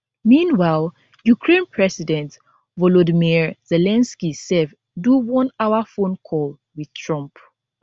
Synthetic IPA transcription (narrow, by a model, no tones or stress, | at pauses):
mĩnwaɪlˠ | jukʰɹẽnpʰɹɛsidɛ̃nt | vɔlɔdimiɹzɛlɛ̃nskisɛv | duwɔ̃naʊafõnkʰɔl | wið̥tʰɹɔ̃mp